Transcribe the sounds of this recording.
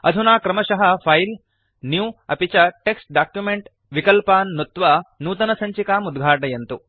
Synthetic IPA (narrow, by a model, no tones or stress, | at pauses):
ɐ̰d̪ʱunaːkɾɐmɐʃɐɦɐpʰɐjl | njuːɐpit͡ʃɐʈeksʈ̚ɖaːkjumeɳʈ | ʋikɐlpaːnːut̪ʋɐnuːt̪ɐnɐsɐɲt͡ʃikaːmud̪ɡʱaːʈɐjɐnt̪u